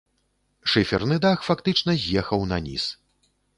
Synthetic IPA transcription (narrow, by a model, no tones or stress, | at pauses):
ʂɨfʲɛrnɨd̪axfakt̪ɨt͡ʂnɐzʲjɛxɐwnɐnʲḭs